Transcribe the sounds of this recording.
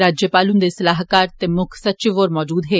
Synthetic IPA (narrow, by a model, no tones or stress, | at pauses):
ɾaːd͡ʒjəpaːlũnd̪esɐlaːɦkaːɾt̪emʊkʰsɐtːt͡ʃɪʋoːɾmɔːd͡ʒuːd̪ɦeː